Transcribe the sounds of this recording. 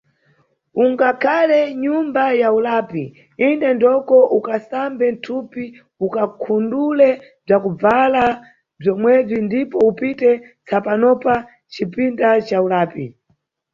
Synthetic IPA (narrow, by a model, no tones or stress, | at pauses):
uŋɡakʰalɛɲumbajaulaːpi | indɛndɔkɔʔukasambɛntʰupi | ukakʰundulɛ | b͡ʐakub͡vala | b͡ʐɔmwɛb͡ʐindipɔupitɛ | t͡sʰapanɔpa | t͡ʃipindat͡ʃaulaːpi